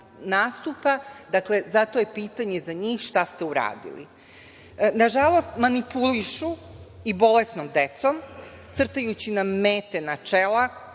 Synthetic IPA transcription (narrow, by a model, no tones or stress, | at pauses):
naːst̪upad̪akle̞zat̪o̞jepiːt̪aɲe̞zaɲiːxʃt̪ast̪e̞uɾa̰ːd̪ḭlḭ | naʒalˠo̞st̪manipuliʃu | ibo̞lesnomd̪et̪som | t̪sr̩t̪ajut͡ɕinameːt̪enat͡ʃela